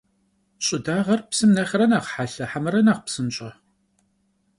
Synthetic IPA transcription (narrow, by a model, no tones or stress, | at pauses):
ɕʼɪdaːʁɐrpsɨmnɐχʲɪrɐnaːʁħaɬɐħamɨɾɐnaːqpsɨnɕʼɐ